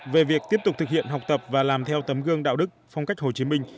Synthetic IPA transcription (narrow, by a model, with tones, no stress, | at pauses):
ve˨˩vi˨˩ək̚t̪i˦˥əp̚t̪ʊ˨˩k͡p̚t̪ɨ˨˩k̚hḭ˧ənɦa˨˩wk͡p̚t̪ə˨˩p̚vaː˨˩laː˨˩mt̪ʰɛ˧wt̪ə˨˦mɣɨ˧əŋɗa̰ː˧˨wɗɨ˦˥k̚fa˧wŋ͡mka˦˥jk̟̚ho˨˩t͡ɕi˨˦mï˧ŋ̟